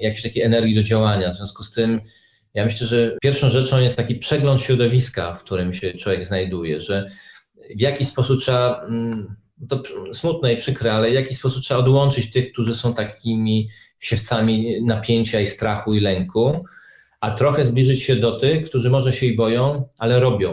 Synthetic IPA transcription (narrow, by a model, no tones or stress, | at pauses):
jakʲeɕt̪akʲejɛnɛɾɡʲid̪ɔd͡ʑawaɲavzvʲjɔ̃w̃skust̪ɘm | jamɘɕlɛʐɛpʲjɛɾfʂɔ̃w̃ʐɛt͡ʂɔ̃w̃jɛst̪akʲipʂɛɡlɔnt̪ɕɾɔd̪ɔvʲiska̰fkt̪uɾɘmɕɛt͡ʂwɔvʲjɛɡznajd̪ujɛ̰ʐɛ | vʲjakʲispɔsup̚tʂɛba | t̪ɔsmut̪nɛipʂɘkɾɛalɛvjakʲispɔsuptʂɛaɔd̪wɔnt͡ʂɘt͡ɕt̪ɘxk̚t̪uʐɘsɔ̃w̃t̪akʲʰimʲiɕɛft̪samʲinapʲjeɲt͡ɕaist̪ɾaxuilɛŋku | at̪ɾɔxɛzblʲiʐɘt͡ɕɕɛd̪ɔt̪ɘxkt̪uʐɘmɔʐɛɕɛibɔjɔ̃w̃ʔalɛɾɔbʲjɔ̃w̃